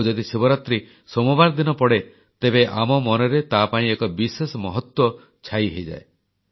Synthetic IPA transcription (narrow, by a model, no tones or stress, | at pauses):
d͡ʒɔd̪isibɔɾat̪ɾi | sɔmɔbaɾd̪inɔpɔɽe | t̪ebeʔamɔmɔnɔɾet̪apaĩekɔbisesɔmɔɦɔt̪wɔ | t͡ʃʰajɦejd͡ʒa̰e